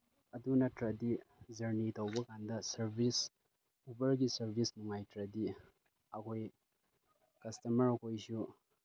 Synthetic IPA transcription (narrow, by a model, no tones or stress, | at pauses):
ɐdunɐtɾɐdizɐɾnitʰɐwbɐkʰandɐsɐɾbʱis | ubɐɾɡisɐɾbʱisnuŋajtɾɐdi | ɐkʰoj | kɐstɐmɐɾɐkʰojsu